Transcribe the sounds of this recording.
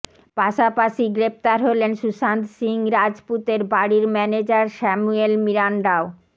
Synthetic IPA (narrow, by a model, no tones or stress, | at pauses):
paʃapaʃiɡɾep̚t̪aɾɦolenʃuʃant̪siŋɾad͡ʑput̪eɾbaɽiɾmɛned͡ʑaɾʃɛmuelmiɾanɖao